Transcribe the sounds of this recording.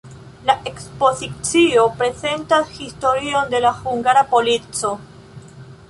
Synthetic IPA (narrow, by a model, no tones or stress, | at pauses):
laʔekspo̞zit͡sio̞pɾe̞ze̞ntasxisto̞ɾio̞nd̪e̞laxuŋɡaɾapo̞lit͡so̞